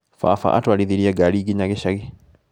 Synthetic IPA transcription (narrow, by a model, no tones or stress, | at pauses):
fa̰fa̰ʔa̰twaliðiɾiaɡaliɡiɲaɡeʃaɣe